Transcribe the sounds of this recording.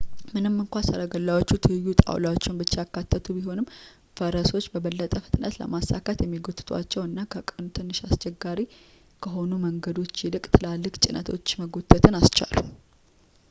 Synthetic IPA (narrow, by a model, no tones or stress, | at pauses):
mɨnɨmːɨŋkʷansəɾaɡəlːawot͡ʃːut̪ʰɨjːut̪ʼa̰wlawot͡ʃːɪnbɨt͡ʃːejakːat̪ʰːət̪ʰubiɦo̞nɨmː | fəɾəso̞t͡ʃːbəβəlːət̪ʼəfɨ̥t̪ʼnət̪lə̰masakʰət̪jɛmːiɡot̪ʼːɨt̪ʼa̰t͡ʃːɛwɨnːakʰəkʼɨnut̪ʰɨnːɨʃast͡ʃɛɡːaɾi | kʰəɦo̞numəŋɡəd̪o̞t͡ʃːjɛlɨkʼt̪ʰɨlalːɨkʼt͡ʃʼɪnʔə̰t̪ʰo̞̰t͡ʃːməɡo̞t̪ʰːət̪ʰɨnast͡ʃa̰lu